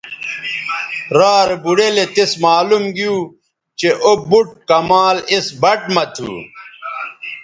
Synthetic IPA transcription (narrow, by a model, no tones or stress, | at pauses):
ɾaːɾebuɽelet̪esmaːlumɡiju | t͡ɕeʔobuʈ̚kɐmaːlesbɐʈmɐt̪ʰṵː